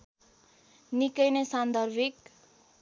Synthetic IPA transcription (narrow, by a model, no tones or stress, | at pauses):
nikʌjnesand̪ʱʌrbʱik